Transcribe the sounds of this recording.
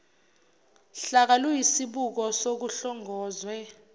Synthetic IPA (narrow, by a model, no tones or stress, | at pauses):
ɬak̬alujisiɓuk̬ɔsok̬uɬɔŋʱɔːzwɛ